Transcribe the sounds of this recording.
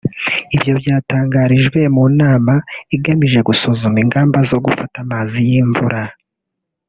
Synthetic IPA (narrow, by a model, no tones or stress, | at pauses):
ibjo̞bjaːtaːŋɡaɾiʒɡwe̞munaːmaiɡamiʒe̞ɡusuzumiŋɡaːmbazo̞ɡufatamaːzijiɱvuɾa